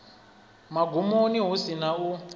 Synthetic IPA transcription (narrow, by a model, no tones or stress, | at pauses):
maɡʱumoniɦusinau